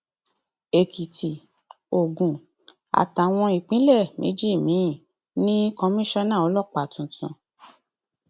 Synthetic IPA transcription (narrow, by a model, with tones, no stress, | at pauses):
e˨ki˨tʰi˨ | o˨ɡũ˨ | a̰˨ta˨w̃ɔ̃˧i˨k͡pĩ˨˦lɛ˦˨mʔḛ˨˦d͡ʒi˦˨mĩ˨˦˨ | nĩ˦kɔ̃˧mĩ˦ʃɔ̃˦nã˦˨ɔ˨˧˦lɔ˦˨k͡pa˨tũ˨tũ˨